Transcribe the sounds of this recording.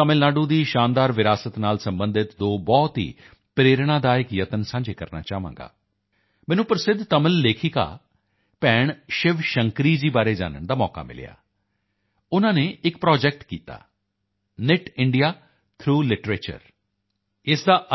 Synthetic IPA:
əmɪlnaːɖuːd̪iːʃaːnd̪aːɾʋɪɾaːsət̪naːlsəmbə̃nd̪ɪt̪d̪oːbɔːt̪ɦḭː | pɾeːɾɽ̃ãːd̪aːɪkjət̪ənsãːɲd͡ʒeːkəɾna̰ːt͡ʃaːʋã̰ːŋɡa̰ː | mɛ̃ːnũːpɾəsɪd̪ʱt̪əməlːeːkʰiːka̰ː | pɛːɳʃɪʋʃəŋkɾiːd͡ʒiːbaːɾeːd͡ʒa̰ːnə̰ɳd̪aːmɔːka̰ːmɪ̰lja̰ː | ʊnãːneːɪk̚pɾɔːd͡ʒɛːk̚ʈkiːt̪a̰ː | nɪʈɪɳɖijaː | t̪ʰɾuːlɪʈɾeːt͡ʃə̰ɾ | ɪsd̪aːʔ

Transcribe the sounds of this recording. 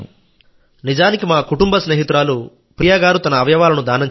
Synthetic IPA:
nid͡ʒaːnikimaːkuʈumbɐsneːɦit̪ɾaːlu | pɾijaːɡaːɾut̪ɐnɐːʋjɐʋaːlɐnud̪aːnɐɲt͡ʃ

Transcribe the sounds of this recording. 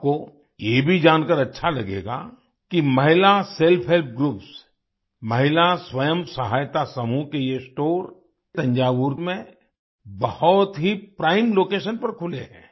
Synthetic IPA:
ko | jebʱid͡ʒaːnkəɾɐtːʃʰalɐɡeːɡa̰ | kimɐɦɪlaselpʰɦelp̚ʰɡɾuːps | mɐɦɪlaswɐjəmsɐɦaːjt̪asɐmukejesʈoːɾ | t̪ɐ̃ɲd͡ʒaːʋuɾmẽ | bɐhɔt̪ɦipɾaːɪmloːkeːʃənpɐɾkʰʊlḛɦɛ̰̃ː

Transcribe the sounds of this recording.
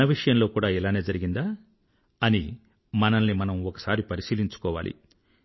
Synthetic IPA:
ɐʋiʂɐjɐmlo̞ːkuːɽaːilaːne̞ːd͡ʒɐɾiɡind̪aː | ɐni | mɐnɐnːimɐnɐmɔkɐ̥saːɾipɐɾisiːliɲt͡ʃu̥kɔːʋa̰ːlʔḭ

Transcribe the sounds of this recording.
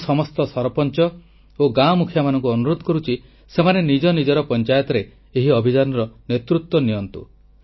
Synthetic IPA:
sɔmɔst̪ɔsɔɾpɔnt͡ʃɔ | oɡamukʰjamanɔŋkuɔnuɾod̪ʱɔkɔɾut͡ʃʰi | semanenid͡ʒɔnid͡ʒɔɾɔpɔnt͡ʃajɔt̪ɔɾe | eɦiɔbʱid͡ʒanɔɾɔnet̪ɾut̪wɔnijɔnt̪ṵ

